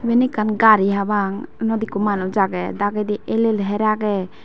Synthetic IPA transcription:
bɛnikanɡaɾiɦabaŋnɔd̪ikumanɔd͡ʒaɡɛd̪aɡed̪iʔɛlelɦɛɾaɡɛ

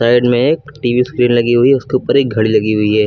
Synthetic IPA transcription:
aːɪɖmẽeːkʈiːʋiskɾiːnlɐɡiɦʊiɦɛʊskiʊpɐɾeːk̚ɡʱɐɽilɐɡiɦʊiɦɛː

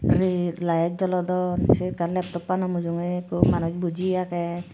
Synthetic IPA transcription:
ɾelajɛk̚d͡ʒɔlɔd̪ɔsekanlɛp̚t̪ɔpːanɔmud͡ʒuŋekumanɔt͡ʃbud͡ʒiakɛ

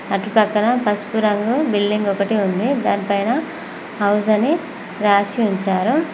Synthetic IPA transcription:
ɐʈupɐkɐɳɐpɐspuɾɐŋɡubilɖiŋɡɔkɐʈiund̪id̪aːnipɐjnɐ | ɦɐwsɐni | ɾaːsiuɲt͡ʃaːɾu

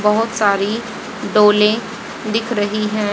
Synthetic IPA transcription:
bɐɦʊt̪saːɾi | ɖoːlẽ | d̪ɪkʰɾɐɦiɦɛ̃ː

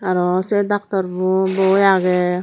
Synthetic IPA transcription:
aɾɔsed̪ak̚t̪ɔɾbubɔjaɡɛ

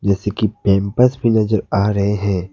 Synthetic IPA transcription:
d͡ʒɛːsekipɛ̃ːmpəsbʱinɐzəɾaːɾɐɦeɦɛ̃ː

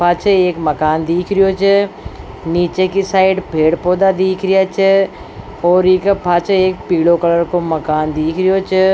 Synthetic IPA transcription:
paːt͡ʃʰəeːkməkaːnd̪iːkʰɾɪjot͡ʃʰə | niːt͡ʃekisaːɪɖpʰeːɽpoːd̪ad̪iːkʰɾɪjat͡ʃʰə | ɔːɾikəpʰaːt͡ʃʰeːk̚piːlokələɾkoməkaːnd̪iːkʰɾɪjoːt͡ʃə

